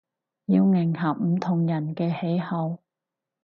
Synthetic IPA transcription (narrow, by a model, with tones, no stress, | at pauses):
jiː˧wŋɪ˨˩ŋɦɐ˨p̚m̩˨˩t̪ʰʊ˨˩ŋjɐ˨˩nkɛː˧he˨˥jhɐ˨w